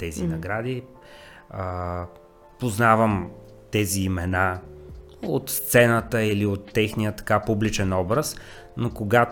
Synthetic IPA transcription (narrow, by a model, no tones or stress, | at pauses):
t̪ɛzḭnɐɡɾad̪i | ə | poznavəm | t̪ɛziːmɛna | ot̪st̪sɛnət̪əiliot̪ːɛxnijət̪ɐ̥kapublit͡ʃɛnɔbɾəs | nokoɡat̪